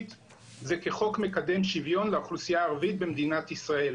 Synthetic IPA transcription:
t̪ | zeke̞χo̞kme̞kad̪e̞mʃivjo̞nleaχlusijaːʁavit̪̚bemd̪inat̪isʁae̞l

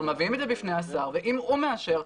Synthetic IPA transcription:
mavimed̪zebifnejasaʁveʔimome̞aʃeʁ

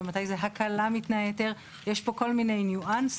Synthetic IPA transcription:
ematajzeɦakʰalamit̪naeet̪eʁ | jeʃpo̞ko̞lmine̞jnjuʔans

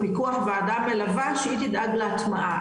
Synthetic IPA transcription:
pikuaχveadamːelavaʃeit̪id̪ʔaɡleat̪maʔa

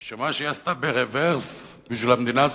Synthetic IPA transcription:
ʃemaʃejast̪abeʁeveʁsbiʃvilhamed̪inaz

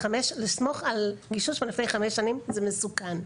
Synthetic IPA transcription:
ameʃlismo̞χalɡiʃuʃbelifnejχameʃanimzemesukan

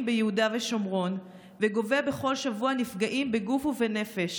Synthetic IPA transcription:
mbejehudaveʃo̞mʁo̞n | veɡo̞vebeχo̞lʃavuanifɡaʔimbe̞ɡufuvene̞fe̞ʃ

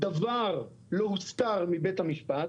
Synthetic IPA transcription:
d̪avaʁ | lohust̪aʁmibet̪hamiʃpat̪

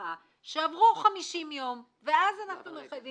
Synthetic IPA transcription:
a | ʃeavʁuχamiʃimjo̞m | veʔazanaχnumeχav

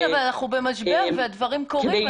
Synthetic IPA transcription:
vaanaχnube̞maʃbeʁvead̪vaʁimkoʁi

